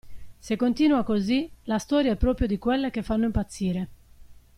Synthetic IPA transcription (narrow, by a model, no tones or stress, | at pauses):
sekːont̪iːnuakozilast̪ɔːɾjaɛpːɾɔːpɾjod̪ikwelːek̟efanːoimpat̪sːiːɾe